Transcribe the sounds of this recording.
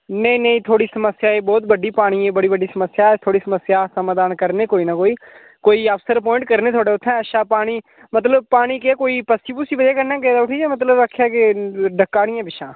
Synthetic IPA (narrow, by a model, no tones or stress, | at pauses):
nəĩːnəĩːt̪ʰoːɽiːsəməsɪjaːeːbɔːt̪bəɖiːpaːɽ̃iːeːbəɽiːbəɖiːsəməsjaːt̪ʰoːɽiːsəməsjaːsəmãːd̪aːnkəɾneːkoːiːnaːkoːiː | koːiːəpsəɾp̬ɔːɪ̃ɳʈkəɾneːt̪ʰoːɖeːʊt̪ʰːɛ̃ːəʃaːpaːɽ̃iː | mət̪ləb̚paːɽ̃iːkekoːiːpəsiːbuːsiːbəd̪jaːkəɾnãːkɛːd̪aːʊʈʰiːd͡ʒaːmət̪̬ləbaːkʰːjaːkɪɖəkːaːɽ̃ɪjãːbɪʃãː